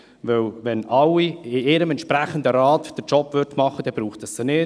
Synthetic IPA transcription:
ʋɪwʋɛnɑlːiɪɪɾəmɛntʃpɾæχənd̪əɾɑːtd̥əɾt͡ʃɔpʋʏɾtmɑχəd̥ɛb̥ɾuːχtəsːənɪː

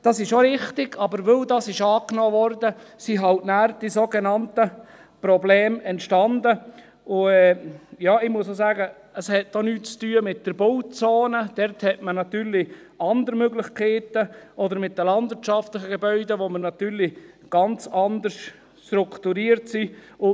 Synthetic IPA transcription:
d̥ɑsɪʃoɾɪχtɪɡ̥ɑbəɾʋɵldɑsɪʃɑːknoːʋɔɾdəsiɦɑltnæːɾd̥isoːɡenɑntə | pɾɔblɛːmɛntʃtɑndə | ʊɛjɑːɪmuəsozæːɡə | əshɛt̚donyːtt͡styːəmɪt̚d̥əɾbowt͡soːnəd̥ɛɾthɛtmənɑt̪yːɾlɪ | ɑnd̪əɾmøɡlɪχkʰeːtəʔɔdəɾmɪt̚dəlɑnd̥̪vɪɾtt͡ʃɑftlɪχəɡɛbœʏdəʋoməɾnɑt̪yːɾlɪ | ɡ̥ɑnt͡sɑnd̪ərs | ʃtɾukʰtuɾiːəɾtsiʊ

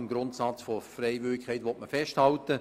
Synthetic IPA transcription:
mɡɾʊntsɑt͡sfofrɛɪvʏɪkʰːɛɪtʋɔtməfɛʃthɑltə

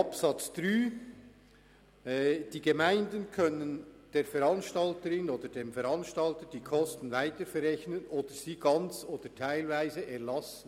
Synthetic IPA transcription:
ɑpsɑt͡sd̥ʁyː | d̥iːɡemaɪndənkʰœnənd̥eːɾfɛɾɑnʃtɑltəɾɪnoːd̥əɾdeːmfɛɾɑnʃtɑltəd̥iːkʰɔstn̩vaɪtəfɛɾɛçnənʔoːd̥əɾz̥iːɡ̥ɑnt͡soːd̥ətʰaɪlvæɪzəʔɛɐlɑsən̩

